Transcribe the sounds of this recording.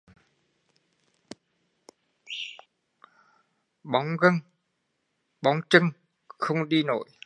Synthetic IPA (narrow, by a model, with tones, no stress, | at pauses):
ɓa˨˦wŋ͡mɣə˧ŋ | ɓa˨˦wŋ͡mt͡ɕɨ˧ŋ | xə˧wŋ͡mɗi˧no̰˧˨j